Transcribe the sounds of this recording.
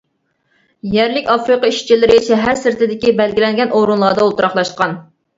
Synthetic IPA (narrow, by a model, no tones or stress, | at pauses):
jæɾlɪkʲɑfɾɨqɑiʃt͡ʃʰilɪɾɪʃɛɦæɾsɪɾt̪ʰɪd̪ɪkʲibɛlɡʲilɛŋɡʲɛnoɾunlˠɑːd̪ɑolˠt̪uɾɑχlˠɑʃqɑn